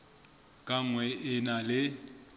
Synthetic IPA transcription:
kʼaŋ̩wɛʔɪnalɪ

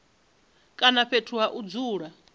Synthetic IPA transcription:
kʼanaɸʰetʰuɦaʔud͡zuːɺa

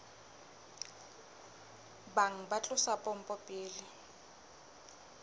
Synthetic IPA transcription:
baŋ̩bat͡ɬʼʊsapʼɔm̩pʼɔpʼɪːlɪ

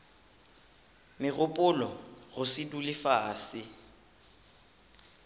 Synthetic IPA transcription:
mɪɣʊpʼʊlɔɣʊsɪdulɪfaːsɪ

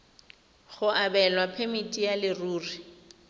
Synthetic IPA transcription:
ɣʊʔabɛlwapʰemitʼijalɪruːri

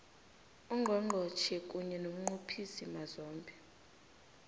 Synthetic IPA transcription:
uŋɡʱɔŋ͡ǃʱɔt͡ʃʰɛkʼuɲɛnom̩ŋ͡ǃupʰisimazɔːmbʱʼɛ

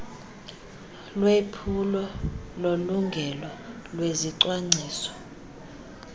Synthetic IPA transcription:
lwepʰulɔloluŋɡʱɛlɔlweziǀwaŋ͡ǀʱiːsɔ̥

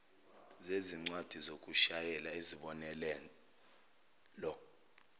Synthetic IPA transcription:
zeziŋ͡ǀwad̥ʱizok̬ʼuʃajɛlaeziɓɔnɛlɛ | lɔ

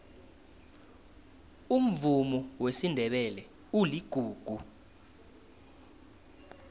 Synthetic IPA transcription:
um̩vumɔwesindʱɛɓɛlɛ | uliɡ̥ʱuːɡ̥ʱu

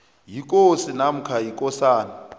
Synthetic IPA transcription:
jik̬ʼosinam̩kʰajikʼɔsaːna

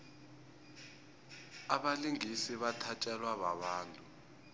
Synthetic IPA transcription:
aɓaliŋisiβatʰat͡ʃʼɛlwaβa̰ɓaːntʼu

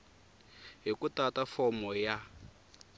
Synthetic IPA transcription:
ɦikutatafɔmɔja

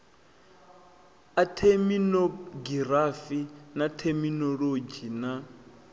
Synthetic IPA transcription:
atʰeminɔɡiɾafinatʰɛminɔɺod͡ʒina

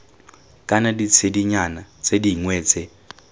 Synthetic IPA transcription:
kʼanadit͡sʰediɲanat͡sediŋwɛːt͡sʼɛ

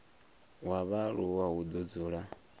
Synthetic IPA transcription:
waβaɺuwawud̪ud͡zuɺa

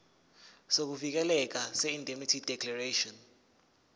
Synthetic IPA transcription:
sok̬uvik̬ɛlɛk̬asɛindʱʼemitʰid̥ʱɛkʰlareʃɔn

